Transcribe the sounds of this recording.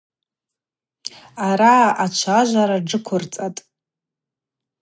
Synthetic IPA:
aɾaat͡ʃʷʰaʒʷaɾaɖ͡ʐɨkʷʰʊrt͡sʼatʼ

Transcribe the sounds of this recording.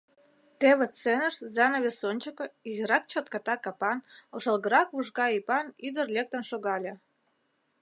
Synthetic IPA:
t̪eβə̆t͡senəʃzɑnoβʲesonʲt͡ɕəkə̆izəɾɑk̚t͡ɕot̪̚kɑt̪ɑkɑpɑnoʃəlˠɣəɾɑkβuʒɣɑipɑnid̪ərlʲek̚t̪ə̆nʃoɣɑlʲĕ

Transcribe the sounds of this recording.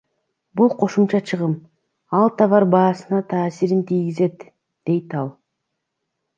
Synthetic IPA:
bulˠqʰo̞ʃumt͡ʃɑt͡ʃʰɯʁɯm | ɑlˠt̪ʰɑvɑɾbɑːsɯnɑt̪ʰɑːsiɾint̪ʰijɡize̞t̪ | d̪̥e̞jt̪ɑlˠ

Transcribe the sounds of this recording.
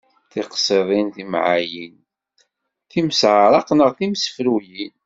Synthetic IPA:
θiqsˤeðˤinθimʕajin | θiməsʕaɾˤɑqnəʁθimsfɾujin

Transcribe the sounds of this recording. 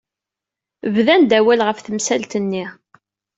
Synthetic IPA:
vðænd̪æwælʁəfθəmsælt̪ənːi

